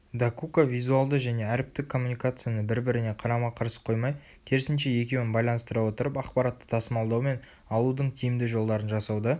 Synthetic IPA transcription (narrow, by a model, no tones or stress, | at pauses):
d̪akukavijzualˠd̪əʒæne̞æɾɪp̚t̪ɪkʰːo̞mːunijkat̪sɨjanəbɪɾbɪɾɪne̞qʰɑɾɑmɑqʰɑɾsə̥qʰo̞jmɑj | kʲʰe̞ɾɪsɪnʃe̞je̞kʲe̞wɪnbɑjlˠɑnəst̪əɾɑwo̞t̪əɾəpɑqpɑɾat̪ːə̥t̪ʰɑsəmɑlˠd̪ɑwme̞n | ɑlˠud̪əɴkʲʰijɪmd̪ɪʒo̞lˠd̪ɑɾənʒɑsɑwd̪ə